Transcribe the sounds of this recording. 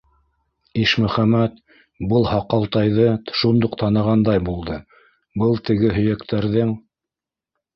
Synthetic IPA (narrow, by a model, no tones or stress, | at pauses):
iʃmɵ̆χæmæt̪ | bɤlˠhɑqɑlˠt̪ɑjðɤʃund̪oqt̪ɑnɤ̆ʁɑnd̪ɑjbulˠd̪ɤ | bɤlˠt̪ɘ̆ɡɘɦɵ̆jækt̪æɾðɘŋ